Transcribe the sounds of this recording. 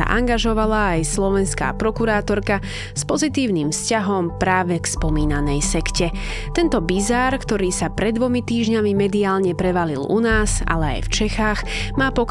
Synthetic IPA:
a̰ʔa̰ŋɡaʒɔʋalaːjslɔʋɛnska̰ːpɾɔkuɾaːt̪ɔɾka | spɔzit̪iːʊniːmfscaɦɔmpɾaːʋɛkspɔmiːnanɛjsɛkcɛ | t̪ɛnt̪ɔbizaːɾkt̪ɔɾiːsapɾɛd̪ːʋɔmit̪iːʒɲamimɛd̪iaːlɲɛpɾɛʋalḭlṵnaːza̰lɛa̰jft͡ʃɛxaːɣ | maːpɔk

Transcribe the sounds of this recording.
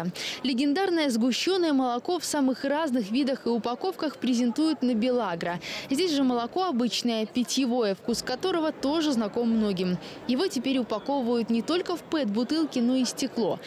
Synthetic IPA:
lʲɪɡʲɪnd̪arnəjəzɡʊɕːo̞nːəjəməlˠɐko̞fsamɨxraznɨxvʲid̪əxɨʊpɐko̞fkəxpɾʲɪzʲɪnt̪ujʊt̪nəbʲɪlˠaɡɾəzʲdʲesʲʐɨməlˠɐko̞ɐbɨt͡ɕnəjəpʲɪtʲjɪvo̞jəfkuskːɐt̪o̞ɾəvət̪o̞ʐɨznɐko̞mːno̞ɡʲɪm | jɪvo̞tʲɪpʲeɾʲʊpɐko̞vəvəjʊt̪nʲɪt̪o̞lʲkəfpɛt̪̚bʊt̪ɨlˠkʲɪno̞isʲtʲɪklˠo̞̰

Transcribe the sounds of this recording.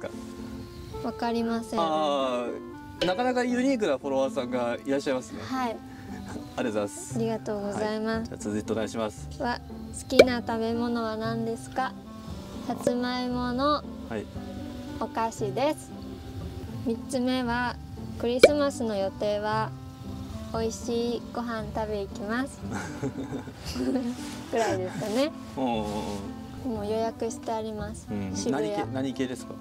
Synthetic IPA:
k | βakaɾʲimasẽã | nakanakajɯ̟ɲʲiːk̬ɯ̟ɾaɸoɾo̞βasãŋɡaiɾaɕːaimasɨnehai | aɾeozasaɾʲiɡat̪o̞ːɡo̞zaimasat͡sɨzɨit̪enaiɕimasɨ̥βa | sɨ̥kʲinat̪abe̞mo̞no̞βanãnd̪e̞sɨ̥ka | hat͡sɨmaimo̞no̞hai | okaɕid̪e̞sɨ̥ | mʲit͡st͡sɨme̞βa | kɯ̟ɾʲisɨmasɨno̞jo̞t̪e̞ːβa | o̞iɕiːɡ̥o̞ɦãnt̪abe̞ikʲimasɨ̥ | kɯ̟ɾaid̪e̞sɨ̥kane̞ | moːjo̞jakɯ̟ɕi̥t̪e̞aɾʲimasɨ̥ɕiɯjanaɲiked̪eska

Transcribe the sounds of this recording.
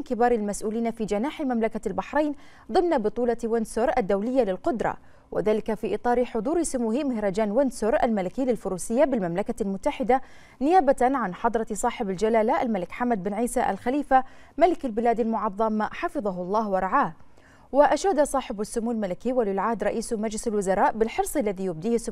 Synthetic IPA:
kɪbɑːɾˤɪlmasʔuːliːnafid͡ʒanaːħɪmamlakalbaħɾˤeːn | ðˤɨmnabɨt̪ˤuːlɑwɪnsʊɾˤʔad̪ːawlɪjːalɪlqʊd̪ɾˤɑ̰ | wɪ̰ðaːlɪkafiːʔɨt̪ˤɑːɾɪħʊd̪ˤuːɾɪsʊmuːhimɪhɾˤɑd͡ʒaːnwɪnsʊɾʔalmalɪkɪːlɪlfʊɾuːsɪjːabɪlmamlakalmʊt̪ːaħɪd̪a | nɪjaːbaanʕanħɑd̪ˤɾˤɑsˤɑːħɪbald͡ʒalaːlaʔalmalɪkħamːad̪̚bɪnʕiːsaʔa̰lxaliːfamalɪkalbɪlaːd̪almʊʕɑðˤːɑmħɑfɨðˤɑɦʊlˤːɑːhwɑɾˤɑʕaːh | wɪʔaʃaːd̪asˤɑːħɪbasːʊmuːlmalɪkiwalɪlʕahd̪ɾˤɑʔiːsmad͡ʒlɪsalwʊzɑɾˤɑːʔbɪlħɨɾsˤɪlːaðijʊb̚d̪iːhɪsːʊ

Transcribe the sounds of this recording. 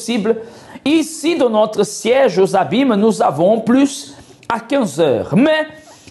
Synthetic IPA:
siblə | isid̪ɑ̃nɔt̪ɾəsjɛʒozabimənuzavõplys | akɛ̃zœ̰ʁmɛ

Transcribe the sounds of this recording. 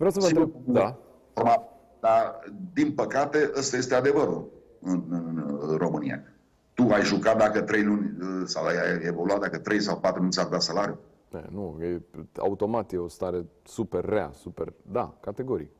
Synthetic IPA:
vɾaws̬əvəned̪a | orma | d̪ad̪inpəkat̪e̞ʔast̪aje̞st̪e̞ad̪e̞vəɾul | ɨnɨro̞mɨnḭja̰ | t̪uajʒukat̪̚d̪akət̪ɾe̞jlunʲəsawajevo̞luat̪̚d̪akət̪ɾe̞jsawpat̪ɾulunʲsard̪at̪salaɾiju | nḛnujea̰ut̪o̞mat̪jeost̪aɾe̞ | superːea̰supḛrd̪a̰kat̪e̞ɡo̞ɾik

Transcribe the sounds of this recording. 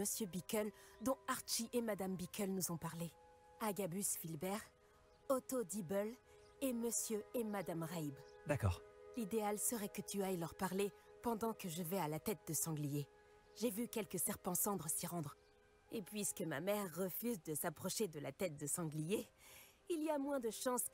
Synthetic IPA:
məsjøbikʲœld̪ɔ̃aʁʃiʔemad̪ambikʲœlnuzɔ̃paʁle | aɡabysfilbɛʁ | ɔt̪od̪ibœl | eməsjøemad̪amʁajbd̪akɔ̰ːʁlid̪ealsəʁɛkət̪yajlœʁpaʁlepɑ̃d̪ɑ̃kəʒəvɛalat̪ɛt̪̚d̪əsɑ̃ɡlije | ʒevykʲɛlkəsɛʁpɑ̃sɑ̃d̪ʁəsiʁɑ̃d̪ʁ | epɥiskəmamɛʁːəfyzd̪əsapχɔʃed̪əlat̪ɛt̪̚d̪əsɑ̃ɡlije | iliamwɛ̃d̪əʃɑ̃s

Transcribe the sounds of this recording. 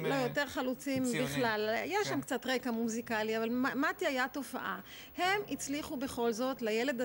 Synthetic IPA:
lojo̞te̞ʁχalut͡simbiχlalajaʃamkt͡sat̪ʁekamuzikaliavalmamat̪iajato̞fa̰ʔa̰ | he̞mit͡sliχube̞χo̞lzo̞tlejele̞d̪a

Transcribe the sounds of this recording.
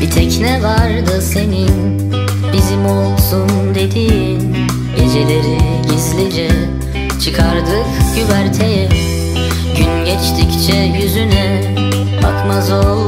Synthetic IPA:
it̪ʰɛcnɛvaɾd̪ɯse̞nin | bizimo̞lˠsund̪e̞d̪i | n | ɟe̞d͡ʒe̞lʲe̞ɾiɟizlʲid͡ʒɛ | t͡ʃʰɯkʰaɾd̪ɯkɟyvæɾt̪ʰejɛ | ɟynɟɛt͡ʃt̪ʰict͡ʃʰɛjyzynɛ | ba̰kmazolˠ

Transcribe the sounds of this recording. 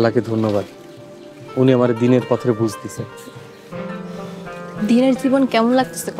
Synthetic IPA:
lːaked̪ʱonːoβad̪ | uniamaɾed̪ineɾpɔt̪ʰoɾebud͡ʑʱt̪isʰe | d̪ineɾd͡ʑibonkɛmonlaɡ̚t̪ʰe̥sek

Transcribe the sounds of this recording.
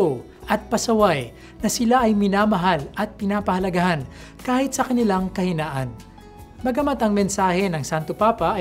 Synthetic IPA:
o | ʔɐt̪̚pɐsɐwaj | nɐsɪlaʔɐjmɪnaːmɐɦalɐt̪̚pɪnaːpɐhɐlɐɡahan | kaːhɪt̪̚sɐkɐnɪlaŋkɐhɪnaːʔɐn | mɐɡɐmat̪ɐŋmɛnsaːhɛnɐŋsant̪opaːpɐʔ

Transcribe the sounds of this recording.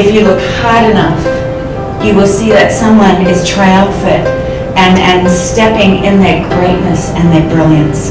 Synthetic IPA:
ɨfjɨlʊkhɑɹɾɨnʌf | jɨwəlˠsiðɨtsʌ̃mwʌ̃nɪz̥tʰɹ̥aɪəlˠfɪɾ | ɨ̃nɨ̃nstɛpɪ̃ŋɪ̃nðə˞ɡɹeɪtⁿnɨsɨ̃nðə˞bɹɪlˠjɨ̰̃ns

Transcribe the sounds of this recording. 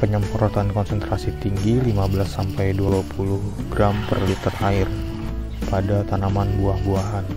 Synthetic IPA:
pəɲəmpɔɾɔt̪ankɔnsənt̪ɾasit̪iŋɡilimabəlasːampajduapulʊhɡɾampərlit̪əraɪr | padat̪anamanbuahbuaɦan

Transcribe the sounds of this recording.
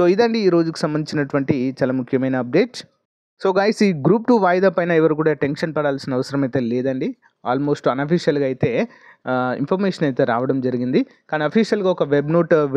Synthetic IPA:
soːid̪ɐɳɖiːɾo̞ːd͡ʒuku̥sɐmbɐnd̪it͡ʃinɐʈuʋɐɳʈit͡ʃaːlamukʰjɐmɐjnɐɐp̚ɖe̞ːʈs | so̞ːɡaːjsiːɡɾuːp̚ʈuʋaːjd̪aːpɐjnɐɛʋɐɾukuːɽaːʈe̞nʂɐnpɐɽaːlsinɐʋɐsɐɾɐmɐjt̪eːleːd̪ɐɳɖi | a̰ːlmo̞ːsʈɐnɐpʰiʂjɐlɡɐjit̪e̞ː | ḭmpʰɐɾmeːʂɐnɐjt̪e̞ːɾa̰ːʋɐɽɐmd͡ʒɐɾiɡind̪i | kaːniɐpʰiːʃɐlɡaːɔkɐʋebnoːʈ

